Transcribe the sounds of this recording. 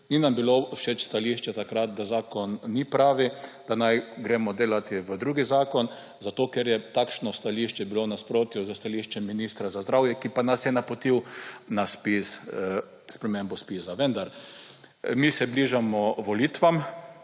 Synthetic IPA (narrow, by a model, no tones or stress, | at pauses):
ninambiloʃet͡ʃst̪aliʃt͡ʃɛt̪akɾat̪̚d̪azaːkɔnːipɾaːʋid̪̥anajɡɾeːmɔd̪eːlat̪iʋəd̪ɾuːɡizaːkɔn | zat̪oːkɛɾjɛt̪aːkʃnɔst̪aliʃt͡ʃɛbilonaspɾoːt̪juzəst̪aliʃt͡ʃɛmːiniːst̪ɾazazd̪ɾawjɛkipanasjɛnapɔt̪iwnaspis | spɾɛmembɔspiːsaʋənd̪aɾ | misɛbliʒamɔʋɔliːt̪ʋam